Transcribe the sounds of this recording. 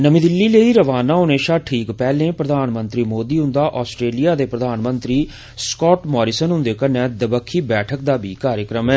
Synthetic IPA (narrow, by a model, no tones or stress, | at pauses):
nəmĩːd̪ɪlːiːleiːɾəʋaːnaːɦʊneːʃaːʈʰiːkpɛːlẽːpɾəd̪ʱaːnmə̃nt̪ɾiːmoːd̪iːɦʊ̃nd̪aːʔɔːsʈɾeːlijaːd̪eːpɾəd̪ʱaːnmə̃nt̪ɾiː | skɔːʈmɔːɾiːsənɦʊ̃nd̪eːkənɛ̃ːd̪əbəkʰːiːbɛːʈʰək̚d̪aːbʱiːkaːɾjəkɾəmɛː